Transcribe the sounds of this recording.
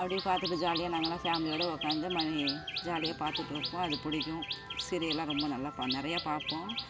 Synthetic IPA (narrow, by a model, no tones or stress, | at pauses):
ɐpːɐɽɪpaːɾt̪ɯʈːɯd͡ʒaːlɪjaːnɐŋɡɐlãːfaːmɪlɪjoːɽɐʊkːaːnd̪ɯmɐnid͡ʒaːlɪjaːpaːɾt̪ɯʈːɾɯkːʊ̃ɐðɯpʊɽɪkʲːʊ̃sɪɾɪjɐlãːɾɔmbɐnɐlːaːpanɪɾɐjaːpaːɾpːõː